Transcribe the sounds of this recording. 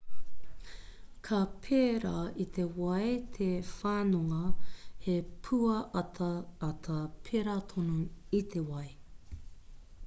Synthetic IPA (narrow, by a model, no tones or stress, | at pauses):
kʰɐpʰeɾait̪ʰe̞wɐjt̪ʰefaːnoŋɐhepʰuɐʔɐtʰɐːt̪ʰɐpʰeɾat̪ʰonoit̪ʰe̞wɐj